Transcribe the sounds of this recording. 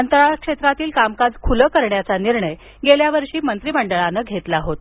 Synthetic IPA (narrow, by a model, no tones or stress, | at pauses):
ənt̪ɾaɭakʂet̪ɾat̪iːlkamkad͡zkʰuləkəɾɳjat͡saniɾɳəj | ɡeljaʋəɾʂiːmənt̪ɾiːməɳɖəɭanəɡʱet̪laɦot̪